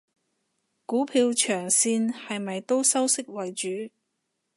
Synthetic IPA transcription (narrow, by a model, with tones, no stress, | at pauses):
kuː˨˥pʰiː˧wt͡ʃʰœː˨˩ŋsiː˧nhɐ˨jmɐ˨jt̪o˥wsɐ˥wsɪ˥k̚wɐ˨jt͡ʃyː˨˥